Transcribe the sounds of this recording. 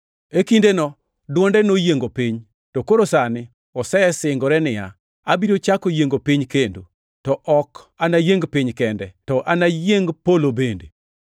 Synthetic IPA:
ekindenɔ | dwɔndɛnojeŋɡopiɲ | tɔkoɾosanɪ | ɔsɛsɪŋɡɔɾɛnɪja̰ | abiɾot͡ʃakojeŋɡopiɲkendo̰ | tɔʔɔk | anajeŋɡpɪɲkɛndɛtɔʔanajeŋɡpolobende

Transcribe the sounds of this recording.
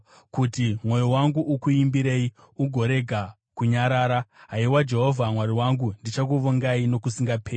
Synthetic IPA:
kutimwo̞jowaŋɡuʔukuimbiɾe̞i | uɡʱo̞ɾe̞ɡʱa | kuɲaɾaːɾaɦaiwad͡ʒe̞ɦo̞vʱamwaɾiwaŋɡundit͡ʃak̬uʋoŋɡaino̞kusiŋɡapʰeː

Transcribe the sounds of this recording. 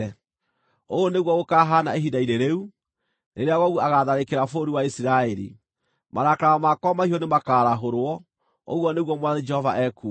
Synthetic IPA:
oɣoneɣwɔɣokaɦanaeɦidaineɾeu | neɾeaɣɔɣɔaɣaðaɾekeɾafoɾiwaisiɾaɛɾḭ | maɾakɾaɔmakɔmahiɔnemakaːɾaɦoɾwɔ | o̰ɣwɔneɣwɔmwaðɛd͡ʒɛhɔvaʔɛku

